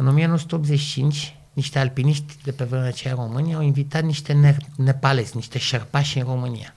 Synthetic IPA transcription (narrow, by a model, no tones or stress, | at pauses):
ɨno̞mianosut̪eop̪zet͡ʃit͡ʃint͡ʃʲ | niʃt̪ealpiniʃt̪ʲd̪e̞pe̞vɾemeat͡ʃejaɾo̞mɨnʲawinvit̪at̪niʃt̪e̞nene̞pale̞sʲniʃt̪e̞ʃerpaʃʲɨnro̞mɨnḭja̰